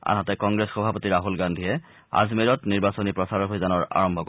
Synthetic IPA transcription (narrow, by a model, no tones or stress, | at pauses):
a̰ɦɔtɛkɔŋɡɹesxɔbʱapotiɹaɦulɡandʱiɛ | a̰zmiɹɔtniɹbasonipɹɔsaɹɔɦojzanɔɹa̰ɹɔmbʱɔk